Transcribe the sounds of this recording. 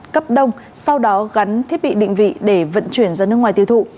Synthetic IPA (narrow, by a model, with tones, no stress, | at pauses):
kə˦˥p̚ɗə˧wŋ͡m | sa˧wɗɔ˨˦ɣa˨˦nt̪ʰi˦˥ət̚ɓḭ˧˨ɗḭ˧˨ŋ̟vḭ˧˨ɗe˧˩və̰˧˨nt͡ɕwi˧˩ənzaː˧nɨ˦˥kŋwaː˨˩jt̪i˧˩wt̪ṵ˧˨